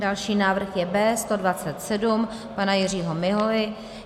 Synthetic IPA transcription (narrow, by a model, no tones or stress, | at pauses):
dalʃiːnaːvr̩xjɛbɛːst̪o̞dvat͡sɛt̪sɛdum | panajɪr̝iːɦomɪɦovɪ